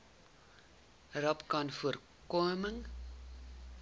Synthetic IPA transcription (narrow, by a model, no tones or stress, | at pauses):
rɐpkɐnfuər | kuəməŋ